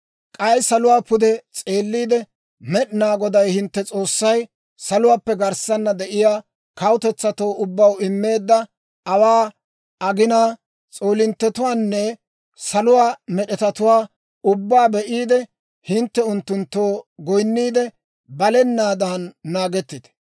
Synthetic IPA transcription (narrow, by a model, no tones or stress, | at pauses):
kʼɐjsɐlʊwaːpʊd̪ɛt͡sʼe̞ːlːiːd̪ɛ | mɛɗnaːɡɔd̪ɐjhɪnt̪ːɛt͡sʼo̞ːsːɐj | sɐlʊwaːpːɛɡɐɾsɐnːɐd̪ɛʔɪjaː | kɐwʊt̪ɛt͡sːɐt̪oːʔʊbːɐwɪmːe̞ːd̪ːɐ | ʔɐwaː | ɐɡɪnaː | t͡sʼoːlɪnt̪ːɛt̪ʊwaːnːɛ | sɐlʊwaːmɛɗɛt̪ɐt̪ʊwaː | ʊbːaːbɛʔiːd̪ɛ | hɪnt̪ːɛʊnt̪ːʊnt̪ːoːɡɔjnːiːd̪ɛ | bɐlɛnːaːd̪ɐnːaːɡɛt̪ːɪd̪̥ɛ̥